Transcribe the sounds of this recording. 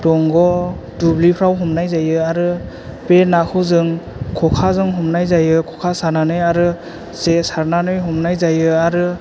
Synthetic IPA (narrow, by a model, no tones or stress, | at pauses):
tɔŋɡɔ | dublipʰɾawɦɔmnajzajɯaɾɯ | penakʰɯzɯŋkʰɔkʰazɯŋɦɔmnajzajɯkʰɔkʰasaɾnanɯjaɾɯ | zesaɾnanɯjɦɔmnajzajɯaɾɯ